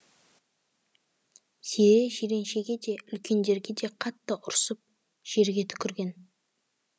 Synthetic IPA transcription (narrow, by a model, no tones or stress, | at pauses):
seɾeʒeɾe̞nʃe̞ɡʲe̞d̪e̞ʏlkʲʰe̞nd̪e̞ɾɡʲe̞d̪e̞qʰɑt̪ːəʔʊɾsəp̚ | ʒ̥e̞ɾɡʲe̞t̪ʰʏ̥kʲʰɪɾɡʲe̞n